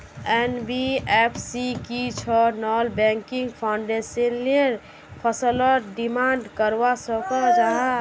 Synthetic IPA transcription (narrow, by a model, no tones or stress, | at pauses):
ɛnbiepʰsikit͡ʃʰɔnɔlbɛ̃ŋkĩŋɡpʰaʊɳɖesənliɾ | pʰəsələɾɖimaːɳɖkəɾwasəkɔd͡ʒaɦ